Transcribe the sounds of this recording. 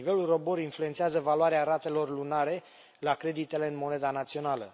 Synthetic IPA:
ive̞lulro̞bo̞ɾinflue̞nt̪seazəvaluaɾeaɾat̪e̞lo̞rlunaɾe̞ | lakɾe̞d̪it̪e̞le̞ɨnmo̞ne̞d̪anat̪sio̞nalə̰

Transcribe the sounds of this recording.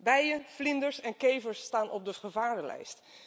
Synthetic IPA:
bɛjəflɪndəɹsɛnkejvəɹsːtaːnʔɔb̚dəχəvaːɹdəlɛ̰jst

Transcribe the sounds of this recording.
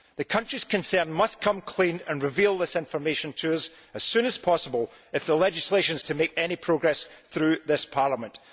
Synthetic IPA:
ðɨkʰʌ̃nt͡ʃɹ̥iz̥kʰə̃nsɜ̃˞nmʌskʰʌ̃mkʰl̥ĩnə̃nɹɪvilˠðɪsɪ̃ɱfə˞meʃə̃ntʰəʌz | əz̥sʉ̃nəz̥pʰɔsəbəlˠ | ɪfðəlˠɛd͡ʒɪslˠeʃə̃nz̥tʰəmekɛnipʰɹ̥oɡɹɛsθɹʉðɪspʰaɹlˠəmə̃nʔ

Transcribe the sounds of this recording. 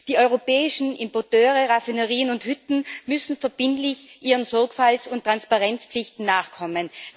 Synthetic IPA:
d̥iːɔʏʁopɛːɪʃn̩ʔɪmpɔɐtøːʁəʁafinəʁiːənʊnthʏtn̩mʏsn̩fɛɐb̥ɪntlɪçʔiːʁənzɔɐkfalsʊntːʁ̥anspaʁɛnt͡spp͡flɪçtn̩naːχkʰɔmən

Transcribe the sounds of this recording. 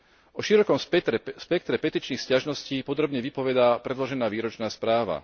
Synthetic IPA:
ʔɔʃiɾɔkɔmsspɛk̚t̪ɾɛpɛt̪iːt͡ʃniːxscaʒnɔsciːpɔd̪ɾɔbɲɛʋipɔʋɛd̪aːpɾɛd̪lɔʒɛnaːʋiːɾɔt͡ʃnaːspɾaːʋa̰

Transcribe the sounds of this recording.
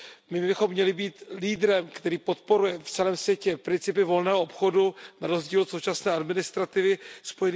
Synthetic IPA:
mɪbɪxo̞mːɲɛlɪbiːt̪liːdɾɛmkt̪ɛɾiːpo̞t̪̚po̞ɾujɛft͡sɛlɛːmsvjɛcɛpɾɪnt͡sɪpɪvo̞lnɛːɦoʔopxo̞dunaɾo̞zɟiːlsowt͡ʃasnɛːʔadmɪnɪst̪ɾat̪ɪvɪspo̞jɛn

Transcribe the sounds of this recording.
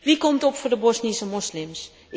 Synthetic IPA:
ʋikɔmtɔpfʊrdəbɔsnisəmɔslɪms

